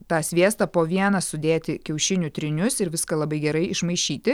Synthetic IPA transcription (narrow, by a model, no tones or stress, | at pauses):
t̪ɑːsʲʋʲiɛst̪ɐpoːʋʲiɛnɐsʊd̪ʲeːt̪ʲɪkʲɛʊʃʲɪnʲut̪ʲɾʲɪnʲʊsɪɾʋʲɪskɐlˠɐbɐɪɡʲɛɾɐɪɪʃmɐɪʃʲiːt̪ʲɪ